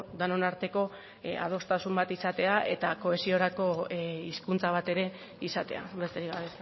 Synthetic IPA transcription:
d̪anonaɾt̪e̞ko̞ | a̰ð̞o̞st̪asumbat̪isat̪e̞aʔe̞t̪ako̞e̞sio̞ɾako̞iskunt͡saβ̞at̪e̞ɾe̞ | isat̪e̞a̰ulest̪eɾiɣaβes

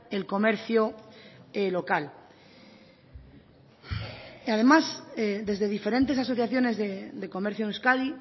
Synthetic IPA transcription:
e̞lko̞me̞ɾθjo | elo̞kal | að̞e̞mased̪e̞zðe̞ðife̞ɾe̞nt̪esas̬o̞θjaθjo̞ne̞zðed̪e̞ko̞meɾθjonuskaði

